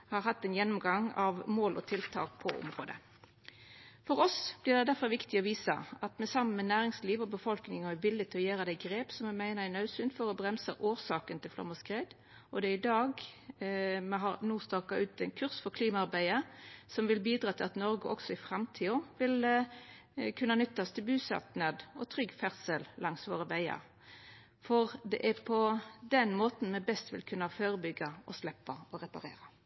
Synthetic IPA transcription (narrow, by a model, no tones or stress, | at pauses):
hɑɾɦɑt̪ːɛɪnjɛnːʊmɡɑŋɑʋmoːlʔɔ̰t̪ʰɪlt̪ʰɑ̰ːk̚pʰɔʔʊ̰mʁoːd̪ə̰ | fɔɾʁɔsb̥lɪʁd̪ɛd̪æfɔɾʋɪkt̪ɪɔʋiːsə̰ɑt̪mɛsɑmːənmɛnæːɾɪŋsliːʋɔbəfɔlknɪŋɔæʋɪlːɪɡ̚t̪ʰɪɔjæːɾəd̪æɪɡɾeːpsɔmɛmæɪnəænɑʉsʉːnt̪fɔɾɔbʁɛmsə̰ʔoːʁsɑːkənt̪ʰɪlflɑ̰mːəskʁeːd̪ | ɔd̪ɛɪd̪ɑːɡ | mɛɦɑnuːst̪ɑːkɑʉːt̪æɪnkʰʉʁsfɔkʰliːmɑɑʁbæɪəsɔmʋɪlbiːd̪ɾɑːt̪ʰɪlɑt̪nɔɾɡʊʔɔksɔɪfɾɑmt̪ʰiːɔʋɪl | kʰʉnːɑnʏt̪ːɑst̪ʰɪlbʉːsɑ̰t̪nɑd̪ɔt̪ʰɾʏɡfæʁsəllʔɑŋsʋo̰ːɾəʋæɪɑ̰ɾ | fɔʁd̪ɛʔæpʰɔd̪ɛnmoːt̪n̩mɛbɛst̪ʋɪ̰lkʰʉnːɑføːɾəbʏɡːɑɔslɛpːɑɔʁɛpɑɾḛːɾɑ